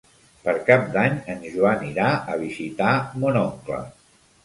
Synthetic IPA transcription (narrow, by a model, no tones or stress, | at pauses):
pəɾkap̚d̪aɲənʒuaniɾaəβ̞izit̪amonɔŋklə̰